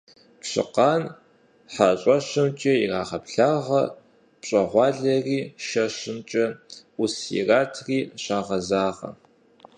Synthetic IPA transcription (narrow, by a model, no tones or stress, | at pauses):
pɕɨ̰qɑːn | ħaɕʷʼɐʃɨmt͡ʃʼɐiraːʁɐpɬaːʁɐ | pɕʼɐʁʷɑːɮɐriːʃɐʃɨmt͡ʃʼɐusḭraːtʰriːɕaːʁɐzaːʁɐ̰